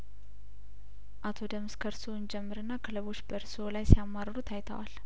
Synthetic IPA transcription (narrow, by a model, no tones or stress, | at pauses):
ʔat̪ʰo̞d̪əmskʰəɾsoɨnd͡ʒɛmːɨɾɨnːakʰɨləβo̞t͡ʃːbəɾsolajsijamːaɾəɾut̪ʰajt̪ʰə̰wa̰l